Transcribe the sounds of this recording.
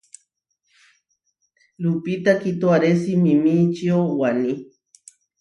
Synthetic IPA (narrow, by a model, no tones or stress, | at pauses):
lupit̪akit̪oaɾesimimit͡ʃiowani